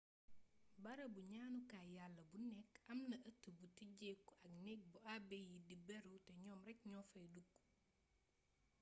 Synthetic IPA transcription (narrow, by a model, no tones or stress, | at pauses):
bɐɾɐbuɲaːnukaːjalːɐbunɛkɐmnɐʔɐtːubutiɟekːɐknɛk̚buabɛjidibɛɾutɛɲɔːmɾɛk̚ɲɔːfɐjdukː